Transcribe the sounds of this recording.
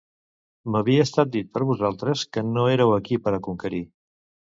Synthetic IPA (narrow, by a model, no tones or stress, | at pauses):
məβ̞iəːst̪at̪̚d̪it̪̚pəɾβuzalˠt̪ɾəskənoeɾəwəkipəɾəkuŋkəɾi